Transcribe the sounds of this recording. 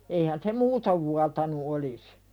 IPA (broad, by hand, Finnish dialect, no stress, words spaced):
eihæn se muːtoʋ ʋuɑtɑnu olis